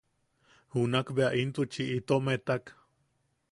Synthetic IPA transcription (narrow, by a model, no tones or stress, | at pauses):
hunakbeaʔint̪ut͡ʃiʔit̪omet̪ak